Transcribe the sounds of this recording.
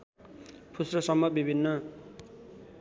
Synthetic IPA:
pʰusrʌsʌmːʌbibʱinːʌ

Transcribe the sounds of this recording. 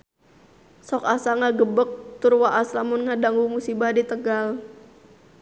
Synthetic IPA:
sɔkasaŋaɡəbək̚t̪ʊrwaʔaslamʊnŋadaŋumusibadit̪əɡal

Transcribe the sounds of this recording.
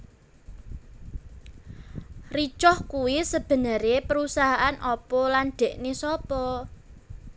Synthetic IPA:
rit͡ʃɔhkuwisəb̥ə̤nəɾepəɾusaɦaʔanʔɔpɔlanɖ̪̥ɛ̤ʔnesɔpɔ

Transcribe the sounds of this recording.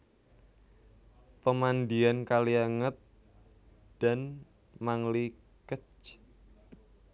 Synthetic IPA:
pəmandiankaliaŋət̪̚ | d̥an | maŋli | kət͡ʃ

